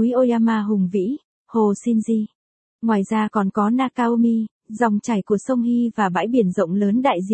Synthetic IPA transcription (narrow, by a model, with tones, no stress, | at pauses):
ʔo˧jaː˧maː˧ɦʊ˨˩ŋ͡mvḭ˧˥ | ho˨˩si˧nzi˧ | ŋwaː˨˩jzaː˧kɔ˨˩nkɔ˨˦naː˧kaː˧o˧mi˧ | za˨˩wŋ͡mt͡ɕa˨˧˩jku˧˩əsə˧wŋ͡mhi˧vaː˨˩ɓa̰ː˧˥jɓi˧˩ənzə̰˧˨wŋ͡mləː˨˦nɗa̰ː˧˨jzḭ˧˨